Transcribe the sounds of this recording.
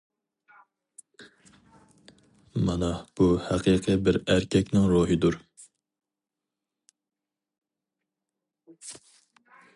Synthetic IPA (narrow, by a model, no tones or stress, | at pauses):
mɑnɑb̥uhæqʰiːqʰɨbɪɾæɾkʲʰɛkʲnɪŋɾoɦɨd̪uɾ